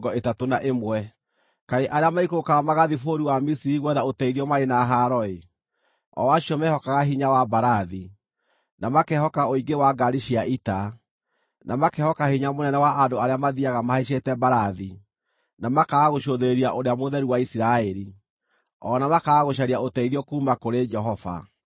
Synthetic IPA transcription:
ɡɔetatonaʔemwɛ | kaɾeʔaɾeamaikokaamaɣaðifoɾiwamisiɾiɣwɛðaotɛiɾiɔmaɾenaɦaɾɔe | ɔ̰waɕiɔmɛhɔkaɣaɦiɲawabaɾaði | namakɛhɔkaoiɡewaɡaɾiʃiaʔita | namakɛhɔkahiɲamonɛnɛwaʔandoaɾeamaðiaɣamahaiʃ̬etɛbaɾaði | namakaɣoʃoðeɾeɾiaʔoɾeamoðɛɾiwaisiɾaɛɾi | ɔːnamakaɣoʃ̬aɾiaotɛiðiɔkuːmakoɾed͡ʒɛɦɔva̰

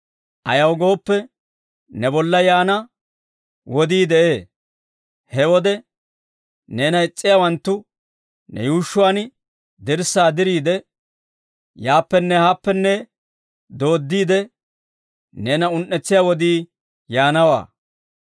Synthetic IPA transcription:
ʔɐ̰jɐwɡo̞ːpːɛ | nɛbɔlːɐjaːnɐ | wɔd̪iːd̪ɛʔeː | hɛwɔd̪ɛ | ne̞ːnɐɪt͡sʼːɪjaːwɐnt̪ːʊ | nɛ̰juːʃːʊwaːn | d̪ɪɾsːaːd̪ɪɾiːd̪ɛ | jaːpːɛnːɛhaːpːɛnːɛ | d̪o̞ːd̪ːiːd̪ɛ | ne̞ːnɐʊnʔːɛt͡sːɪjaːwɔd̪iː | jaːnɐwa̰ː

